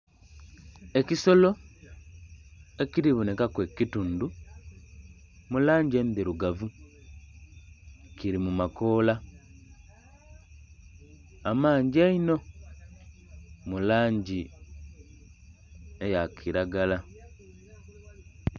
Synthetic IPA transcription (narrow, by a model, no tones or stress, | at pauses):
e̞ciso̞lo̞ | e̞ciɾiβunekakwekitundu | mulaːɲɟiendiɾuɡavu | ciɾimumako̞ːla | amaːɲɟiaino̞ | mulaːɲɟi | ejakʰiɾaɡala